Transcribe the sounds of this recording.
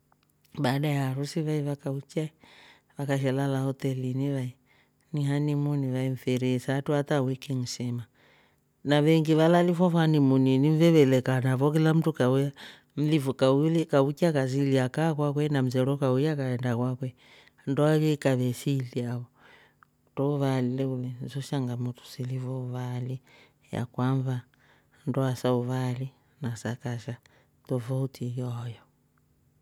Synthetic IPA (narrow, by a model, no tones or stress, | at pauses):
badajaɾusiβaiʋakaut͡ʃa | ʋakaʃ̬ɛlalahɔtɛliniβai | niɦanimuniʋaim̩fɛɾisaːtuatawikiŋ̩sɛma | naβɛŋɡiβalalifɔfanimuninim̩vɛβɛlɛkanavɔk̬ilam̩tukauja | m̩livukaulɛkaukiakas̬iliakakwakwɛnam̩zɛlɔkaujakaɛndakwakwɛ | ndɔaβɛkaβɛsiliaβɔ | tɔuβalilɛulɛnzɔʃaŋɡamutu̥silivɔuβali | ja̰kwaɱva | ndɔasauβali | nasakaʃa | tɔvautʰijɔjɔ